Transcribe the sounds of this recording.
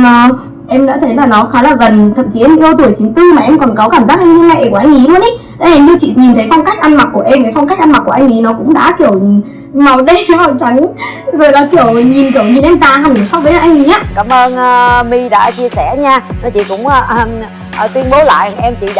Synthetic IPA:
əː˨˩ | ʔɛ˧mɗə̰ː˧˥t̪ʰə˨˦jlaː˨˩nɔ˨˦xaː˨˦laː˨˩ɣə˨˩nt̪ʰə̰˧˨mt͡ɕi˨˦ʔɛ˧mʔi˧ə˧wt̪u˧˩əjt͡ɕi˨˦ŋt̪ɨ˧maː˨˩ʔɛ˧mkɔ˨˩nkɔ˨˦kaː˧˩mzaː˦˥k̚ʔa˧ŋ̟ɲɨ˧ŋa˧˩jʔkʔjŋ̟ʔi˨˦lu˧ənʔə˨˦ | ɗa̰˧˦ɛ˨˧˩zɨ˧t͡ɕḭ˧˨ɲi˨˩nt̪ʰə˨˦jfa˧wŋ͡mka˦˥jk̟̚ʔa˧nma˨˩k̚ku˧˩əʔɛ˧mə˨˦jfa˧wŋ͡mka˦˥k̟̚ʔnma˨˩ku˧˩ʔŋ̟ʔi˨˦nɔ˨˦kʊ̰˧˥ŋ͡mɗa̰ː˧˥ki˧˩əw | ma˨˩wɗə˧jma˨˩wt͡ɕa˨˦ŋ | zo˨˩jlɔ˨˦ki˧˩əwɲi˨˩nki˧˩əwɲi˧nʔɛ˧mt̪aː˧˨ɦa˨˩˨sɔ˦˥w̚vəː˨˦jlaː˨˩ʔjŋʔi˨˦ɲaː˨˧˦kaː˧˦mʔəː˧nː˧mi˧ɗa̰ː˧˥t͡ɕi˧əsɛ˧˩ɲaː˧nɔ˨˦t͡ɕḭ˧˨kʊ̰˧˥ŋ͡m | t̪wi˧ənɓo˨˦la̰ː˧˨jŋʔɛ˧mt͡ɕḭ˧˨ɗ

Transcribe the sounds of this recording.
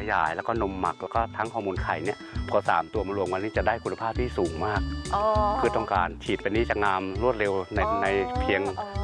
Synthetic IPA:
a˧ja̰ː˩˦jlɛː˦˥wkɔ˥˩no˧mːa̰˨˩k̚lɛː˦˥kɔː˥˩t̪ʰa˦˥ŋkʰɔː˥˧˩muː˧nkʰa˨˩jni˥˩ɐpʰɔː˧˩sa̰ː˩˦mt̪u˧ɐmaː˧ɾu˧əmka˧niː˦˥˩t͡ɕa˨˩daː˥˩jkʰu˧na˧pʰaː˥˩p̚t̪ʰiː˥˩suː˩˦ŋmaː˥˩k̚ʰɯː˧t̪ɔ˥˩ŋka̰ː˧nt͡ɕʰiː˨˩t̪̚pa˧niː˦˥t͡ɕaː˨˩k̚ŋaː˧mɾu˥˩ət̪̚ɾe˧wna˧jna˧jpʰi˧əŋ

